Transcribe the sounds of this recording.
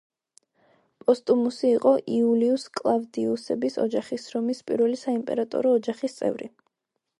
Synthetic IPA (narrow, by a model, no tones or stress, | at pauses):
pʼɔst̪ʼumusiːqʼɔʔiuliuskʼlˠavd̪iusɛbisɔ̰d͡ʒaχisɾɔmispʼḭɾvɛlisaimpʼɛ̰ɾat̪ʼɔ̰ɾɔːd͡ʒaχist̪sʼɛ̰vɾi